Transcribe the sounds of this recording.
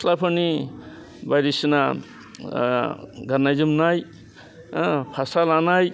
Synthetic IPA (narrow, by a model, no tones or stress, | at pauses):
lapʰani | bajɾisina | ɡanːajzɯmnaj | pʰasalanaj